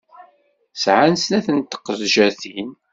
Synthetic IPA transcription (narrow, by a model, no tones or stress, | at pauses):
sʕansnæθənt̪ːə̥qːɾʒæθin